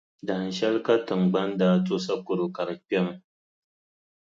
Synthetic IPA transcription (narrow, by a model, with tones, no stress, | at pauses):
da˨n˨ʃɐ˦lka˦tʊ˨ŋɡ͡bɐ˦nda˨to˦sa˦kʊ˨ɾu˨ka˨ɾɸʲa˦ŋ˦